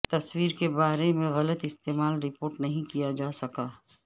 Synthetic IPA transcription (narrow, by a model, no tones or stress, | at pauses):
t̪ɐswiːɾkebaːɾemẽɣɐlət̪ɪst̪eːmaːlɾɪpoːɾʈnɐɦĩkijad͡ʒaːsɐkaː